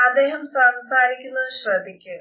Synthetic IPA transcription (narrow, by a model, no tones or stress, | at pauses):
ɐd̪ːeːɦɐmsɐmsaːɾikʲːunːɐðɨɕrɐd̪ʱikʲːɨ